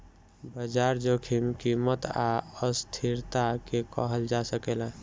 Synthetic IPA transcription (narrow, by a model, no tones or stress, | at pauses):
bəd͡ʒaɾd͡ʒokʰimkimət̪aəst̪ʰiɾt̪akekə̰ɦəld͡ʒasəkelã